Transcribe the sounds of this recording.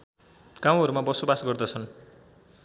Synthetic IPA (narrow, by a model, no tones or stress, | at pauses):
ɡ̥aw̃ɦʌɾumabʌsobasɡʌrd̪ʌt͡sʰʌn